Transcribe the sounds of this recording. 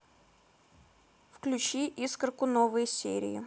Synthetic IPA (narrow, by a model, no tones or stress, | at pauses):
fklʲʉt͡ɕiʔiskrəkʊnovɨjsʲḛɾʲɪ̰jɪ̰